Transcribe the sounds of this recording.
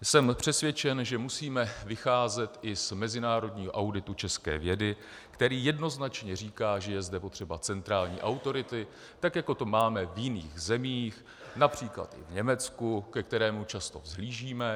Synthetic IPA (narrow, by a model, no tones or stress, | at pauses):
sɛmpr̝̥ɛsvʲjɛt͡ʃɛnʒɛmusiːmɛvɪxaːzɛt̪ʔɪsmɛzɪnaːɾodɲiːɦo̰ʔawdɪt̪ut͡ʃɛskɛ̰ːvjɛdɪ | kt̪ɛɾiːjɛdno̞znat͡ʃɲɛriːkaːʒɛjɛzdɛpo̞t̪r̝̥ɛbat͡sɛnt̪ɾaːlɲḭːʔawt̪o̞ɾɪt̪ɪ | t̪akjako̞t̪o̞maːmɛvjɪnḭːɣzɛmiːx | napr̝̥iːkla̰t̪ʔɪ̰vɲɛmɛt͡skukɛk̚t̪ɛɾɛːmut͡ʃast̪o̞̰zɦliːʒiːmɛ